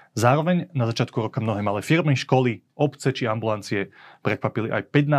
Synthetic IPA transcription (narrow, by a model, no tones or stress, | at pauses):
zaːɾɔʋɛɲnazat͡ʃɪat̪̚kuɾɔkamnɔɦɛːmalɛːfiɾmiʃkɔli | ɔpt͡sɛt͡ʃiambulant͡siɛpɾɛkʋapiliʔa̰jpɛt̪na